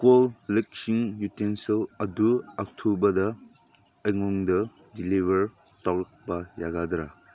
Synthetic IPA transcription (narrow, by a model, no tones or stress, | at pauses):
kollek̚siŋjutenselɐduak̚tʰubɐdɐ | ɐjŋɔŋdɐ | dilibɐɾ | taɾɐk̚bɐjaɡadɾa̰